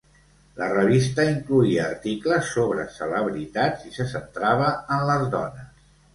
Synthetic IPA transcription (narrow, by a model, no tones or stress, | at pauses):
lərəβist̪əiŋkluiəːɾt̪ikləsːoβɾə̰sələβɾit̪add͡zisəsənt̪ɾaβ̞əənləzðɔ̰nəs